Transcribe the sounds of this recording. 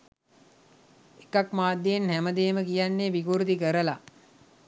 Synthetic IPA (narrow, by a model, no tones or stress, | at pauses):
ekakmaːd̪ːejenhæməd̪eːməkijanːeːʋikuɾut̪ikəɾəla